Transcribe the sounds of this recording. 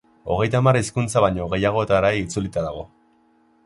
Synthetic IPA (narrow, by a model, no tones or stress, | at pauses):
o̞ɣ̞e̞jt̪amariskunt͡saβajɲo̞ɣ̞e̞jaɣ̞o̞et̪aɾajːt͡sulit̪aðaɣ̞o̞